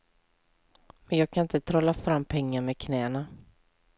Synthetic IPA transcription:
mɛnjɑːɡ̚kʰanɪnt̪ət̪ʰɾɔːlːafɾamːpʰɛŋːaɾmɛkʰnɛːna

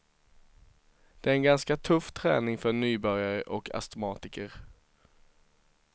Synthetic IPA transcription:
d̪̥ɛæɾɛnɡanskat̪ʰɵfːt̪ʰɾɛːnɪŋfœɳyːbœɾjaɾəʔɔkʰa̰st̪ɛmɑːt̪ɪkəɾ

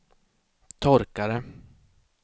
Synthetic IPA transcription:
t̪ʰɔɾkaɾə

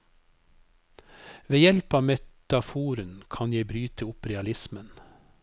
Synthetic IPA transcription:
ʋeːjɛlpɑːmɛt̪ɑfuːɾənkʰɑnjæɪbɾyːt̪əʊpɾɛɑlɪsmən

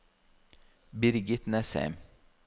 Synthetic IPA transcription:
bɪɾɡɪt̪nɛsḛːm

